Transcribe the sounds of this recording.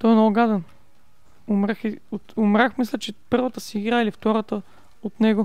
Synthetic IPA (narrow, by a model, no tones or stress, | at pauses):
t̪ɔɛnɔʊɡad̪ɛn | ʊmɾaxiot̪ʊmɾaxmislʲɛt͡ʃɛpɤɾvət̪əsiːɡɾaɛlift̪ɔɾət̪ə | ot̪nɛɡʊ